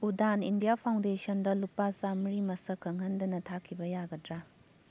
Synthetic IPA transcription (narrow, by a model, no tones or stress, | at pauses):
udanindijapʰawndesɐndɐlupasamɾimɐsɐkʰːɐŋɦɐndɐnɐtʰakʰibɐjaɡɐdɾa